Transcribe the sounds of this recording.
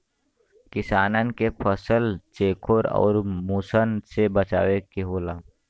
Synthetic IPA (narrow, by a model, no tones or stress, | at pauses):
kɪsaːnənkepʰəsəlt͡ʃeːkʰoɾɔ̰ːɾmuːsənsebət͡ʃa̰ːʋekeɦoːlaː